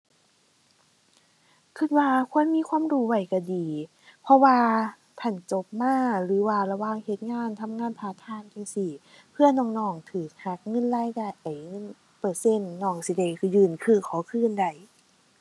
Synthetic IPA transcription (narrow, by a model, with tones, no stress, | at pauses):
kʰi˧t̪̚waː˧kʰu˧˥˨ə˨nmiː˧˥˨kʰwaː˧˥˨mɾuː˧˦wa˧˩jka˧˩diː˨˦ | pʰɔ˧waː˧ | t̪ʰa˧˩nt͡ɕo˧˦p̚maː˧˥˨lɯː˨˦waː˧˩la˧waː˧˨ŋhe˧˦t̪̚ŋaː˧˥˨nt̪ʰa˧˥mŋaː˧˥˨npʰaː˧˩t̪ʰaː˧˥˨nka˧˩˨si˧˩ | pʰɯ˧˨ɐ˨nɔː˧˩˨ŋnɔː˧˩˨ŋt̪ʰɯː˨˩˦k̚ha˧˦k̚ŋɤ˧˨nlaː˧˥˨jka˧˩˨jʔa˨˩jŋɤ˧˥˨n | pɤː˧˩se˧˥˨nːɔː˧˩ŋsi˧˦da˧˩jkʰːjɯː˧˩˨nkʰɯː˧˩kʰɔː˨˦kʰɯː˧˨nda˧˩j